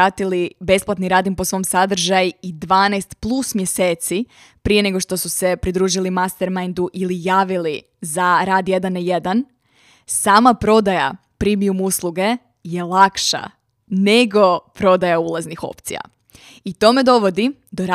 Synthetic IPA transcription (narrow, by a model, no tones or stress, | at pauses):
aːt̪ilibe̞splˠat̪niɾaːd̪impo̞sʋo̞msad̪r̩ʒajuid̪ʋaːnajst̪plˠusmjeseːt̪si | pɾije̞ne̞ɡo̞ʃt̪o̞suse̞pɾid̪ɾuːʒilimast̪eɾmajnd̪uʔilijaːʋili | zaɾaːd̪je̞d̪anje̞d̪an | saːmapɾo̞d̪aja̰ | pɾimiumuslˠuɡe̞ | je̞lˠakʃa̰ | ne̞ɡo̞pɾo̞d̪ajaulˠaznixo̞̰pt̪sija̰ | it̪o̞me̞d̪o̞ʋo̞d̪id̪oɾa